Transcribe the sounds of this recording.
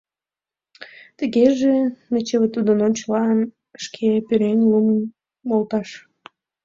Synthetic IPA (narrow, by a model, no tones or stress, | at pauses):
t̪əɣeʒenet͡ɕeβət̪ud̪ənonʲt͡ɕəlɑən | ʃkʰepyɾenʲlumən | molt̪ɑʃ